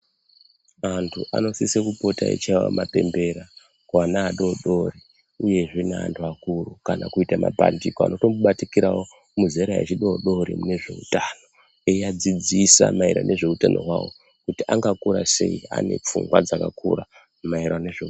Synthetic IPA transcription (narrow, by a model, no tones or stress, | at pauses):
mantʰuʔa̰no̞sisekupo̞taḛt͡ʃaiwa̰mape̞mbe̞ɾa | kwanaːɗoɗo̞ri | uje̞ʐinea̰ntʰuakurukanakuitama̰pa̰ndikoa̰noto̞muɓatikiɾawo | muzeɾaet͡ʃiɗoɗo̞ɾimune̞ʐe̞utano̞ | eiad͡zid͡zisa̰maiɾa̰ne̞ʐe̞utano̞̰ɦwawo̰ | kutiʔaŋɡakuɾase̞̰ia̰ne̞̰p͡fṵŋɡwad͡zakakura | maiɾaneʐe